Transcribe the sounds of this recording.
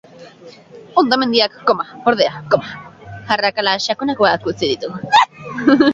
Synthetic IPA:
o̞nd̪ame̞nd̪iakːomaoɾðeakomaxarakalaʃakonakoakut͡siðit̪u

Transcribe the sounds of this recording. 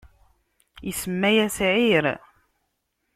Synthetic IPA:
jəsəmːæjæsʕiɾ

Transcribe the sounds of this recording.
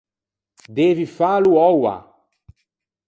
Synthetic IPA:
d̪eːvifaluɔwa̰

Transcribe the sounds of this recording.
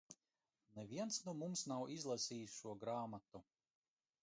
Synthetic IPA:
nɛviɛnsnuɔmumsnawʔizlˠasʲiːsʃuɔɡɾaːmat̪u

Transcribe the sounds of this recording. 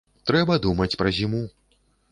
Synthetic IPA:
t̪ɾɛbɐd̪umɐt͡sʲpɾɐzʲimu

